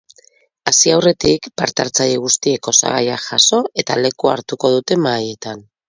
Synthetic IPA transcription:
asiawre̞t̪ikpaɾt̪aɾt͡saʎeɣ̞ust̪ie̞ko̞sa̰ɣajaʝaso̞e̞t̪ale̞kuaɾt̪uko̞ð̞ut̪e̞maje̞t̪an

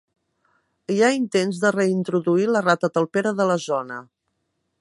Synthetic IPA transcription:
iaint̪enzðərəint̪ɾuðuilərat̪ət̪əlˠpeɾəðələzɔnə

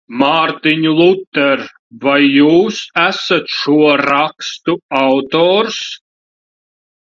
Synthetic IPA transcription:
maɾt̪iɲulˠut̪ːɛɾ | vajːuːsæsat̪ʃuɔɾakst̪uawt̪ɔːɾs

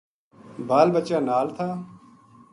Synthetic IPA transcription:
baːlbət͡ʃaːnaːlt̪ʰaː

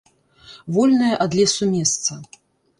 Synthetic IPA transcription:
vɔlʲnɐjɐʔad̪lʲɛsumʲɛst̪sɐ

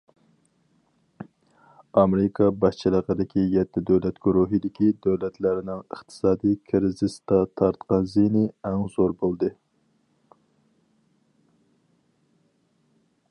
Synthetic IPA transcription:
ɑmɾɪkʰɑbɑʃt͡ʃʰilˠəqəd̪ɪkʲijɛt̪ʰːɪd̪øwlɛt̪ɡ̥uɾuɦɨd̪ɪkʲid̪øwlɛt̪ʰlæɾɪnɪŋəχt̪ʰɨ̥sɑːd̪ijkʰɪɾzɪst̪ɑt̪ʰɑɾt̪qɑnzinɪɛŋzoɾbolˠd̪ɨ

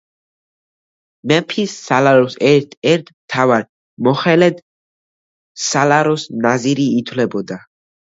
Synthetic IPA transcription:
mɛpʰisːalaɾɔsɛt̪ɛɾt̪ʰmt̪ʰavaɾ | mɔχɛlɛd̪ | salaɾɔsnaziɾiːt̪ʰwlɛbɔd̪a

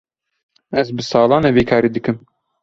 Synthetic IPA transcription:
ɛzbɨsɑːlɑːneveːkʰɑːɾiːd̪ɨkɨm

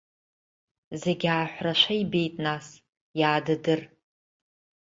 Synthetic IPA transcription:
zeɡʲaːħʷraʃʷaibe̞jtʼnas | jaːdɨdɨr

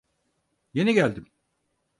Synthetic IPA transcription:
je̞niɟælʲd̪im

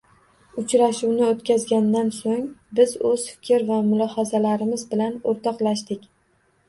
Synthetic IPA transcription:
ʊt͡ʃɾaʃuwnɪot̪kʲʰazɡʲand̪ansoŋbɪzɵz̥fɪ̥kʲʰɪɾvamʊlˠɒhazalaɾɪmɪzbɪlanoɾt̪ʰɒqlaʃd̪ɪkʲ

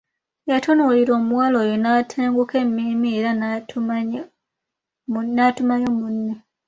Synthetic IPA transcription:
jatʰonuliɾo̞ːmuwaloːjonatʰeːŋɡuke̞mːimieɾa | natumaɲo̞munːi

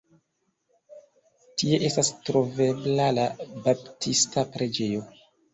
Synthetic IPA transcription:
tie̞ʔe̞stastɾo̞ve̞blalabaptʰistapɾe̞d͡ʒe̞jo̞

